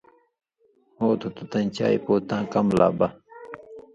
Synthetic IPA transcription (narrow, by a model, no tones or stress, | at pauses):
hoːt̪ʰot̪ut̪ɐnt͡ɕa̰ːjpoːt̪ãːkɐmla̰ːbɐ